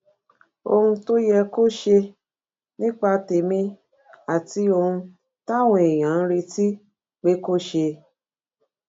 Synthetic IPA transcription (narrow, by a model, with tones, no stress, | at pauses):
o̰˧hũ˧to˦jɛ˧ko˦ʃe˧ | nĩ˦k͡pa˧te˨mĩ˧ | a˨ti˦o˧hũ˧ | ta˦wɔ̃˨e˨j̃ã˨˦n̩˦ɾe˧ti˦ | k͡pe˨˦ko˦ʃe˧